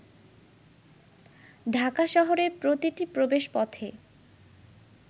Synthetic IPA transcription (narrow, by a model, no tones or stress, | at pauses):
dʱakaʃɔɦoɾeɾpɾot̪iʈipɾobeʃpɔt̪ʰe